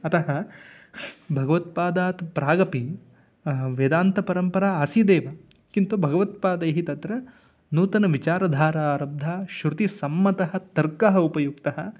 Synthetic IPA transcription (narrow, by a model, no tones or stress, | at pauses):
ɐt̪ɐɦɐ | bʱɐɡɐʋɐt̪̚paːd̪aːt̪pɾaːɡɐpi | ʋed̪aːnt̪ɐpɐɾɐmpɐɾaːaːsiːd̪eːʋɐ | kint̪ubʱɐɡɐʋɐt̪̚paːd̪ɐjɦit̪ɐt̪ɾɐ | nuːt̪ɐnɐʋit͡ʃaːɾɐd̪ʱaːɾaːɾɐb̚d̪ʱaːʃɾut̪isɐmːɐt̪ɐɦɐ̆t̪ɐɾkɐɦɐupɐjukt̪ɐɦɐ̰̆